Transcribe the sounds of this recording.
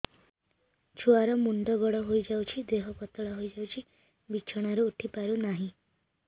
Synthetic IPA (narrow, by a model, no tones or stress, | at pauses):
t͡ʃʰuaɾɔmuɳɖɔɡɔɽɔɦojd͡ʒawt͡ʃʰid̪eɦɔkɔt̪ɔɭɔɦojd͡ʒawt͡ʃʰi | bit͡ʃʰɔɽ̃aɾeuʈʰipaɾunaɦĩ